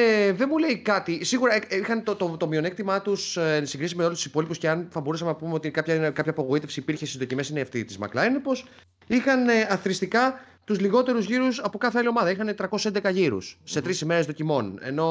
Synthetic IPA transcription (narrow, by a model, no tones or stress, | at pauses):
eðe̞mule̞ikɐt̪isiɣuɾɐeixɐnt̪ot̪ot̪o̞mio̞ne̞kt̪imɐt̪ussiŋɡɾisizmeolust̪isi̥po̞lipusceɐnθɐbo̞ɾusɐmenɐpumeo̞t̪ikɐpçɐkɐpçɐːpo̞ɣoit̪e̞fsiːpiɾçest̪izðocime̞sineiɐft̪it̪izmɐ̰klɐenepo̞s | ixɐneɐθɾist̪ikɐ | t̪uzliɣo̞t̪e̞ɾuzʝiɾusɐpo̞kɐθeɐlio̞mɐðɐixɐne̞t̪ɾɐko̞ssend̪ekɐʝiɾṵsːe̞t̪ɾisime̞ɾezðo̞cimo̞ne̞̰no̞